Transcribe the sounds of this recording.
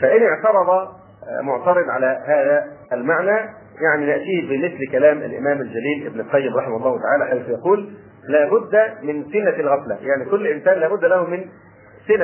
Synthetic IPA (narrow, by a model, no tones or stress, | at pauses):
fæʔɪnɪʕt̪ɑɾˤɑd̪ˤɑ | mʊʕt̪ɑɾɪd̪ʕalæhaːðæʔːlmaʕnæː | jaʕninɪʔt̪iːhbɪmɪθlkælæːmʔa̰lʔɪ̰mæːmæld͡ʒæliːlʔɪ̰bnɪlqɑjːɪmɾˤɑħɪmahʊlˤːɑːhʊt̪aʕaːlæħajθʊjɑquːlː | æːbʊd̪ːæmɪnsɪnːalɣæflæ̰jaʕnikʊlːʔɪnsæːnlæːbʊd̪ːlæhumɪn | sɪna